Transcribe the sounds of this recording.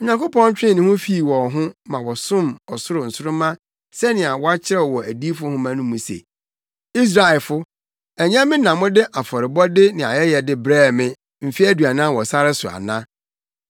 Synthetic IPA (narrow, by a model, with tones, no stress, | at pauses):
ɔ˨ɲã˨kʊ˦pʰɔ̃˦n̩˦t͡ɕᶣɪ̃˦˨nɪ̃˨hʊ̃˦fi˦˨wɔ˨ɦʊ̃˦mã˨wɔ˨sʊ̃˦mɔ˨sʊ˦ɾʊ˨n̩˨sʊ˦ɾʊ˦mã˦ | sɛ˦nɪ̃˨a˨wɔ˦a˦t͡ɕʰɪ˦ɾɛ˦wɔ˨wɔ˨æ˨di˦fʊ˦hʊ̃˦mã˦nʊ̃˦mũ˨sḛ˨ | i˦s̬ɾa˨ɛ˨fʊ˦ | ɛ˨ɲã˦mːɪ̃˦nã˨mʊ̃˦dɪ˦ʔa˨fɔ˨ɾɪ˨bɔ˦dɪ˦nɪ̃˨a̰˨jɛ˦jɛ˨dɪ˦bɾɛː˦˨mɪ̃˦ | m̩˨fi˦æ˦dɥa˨nã˦˨wɔ˨sa˦ɾɪ˦sʊ˨a̰˨nã˦